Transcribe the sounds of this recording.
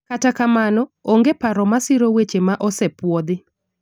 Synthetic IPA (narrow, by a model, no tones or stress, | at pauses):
katakamanɔoŋɡepaɾɔmasɪɾowet͡ʃemaʔɔsɛpwɔd̪ɪ